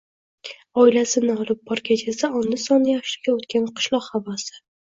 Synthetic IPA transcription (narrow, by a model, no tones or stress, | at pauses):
ɒɪlasɪnɪɒlˠɪp̚bɒɾkʲʰat͡ʃʰasaɒnːɪsɒnɪjaχʃlɪɡʲaot̪kʲanqʰɨ̥ʃlˠɒqhavasɪ̥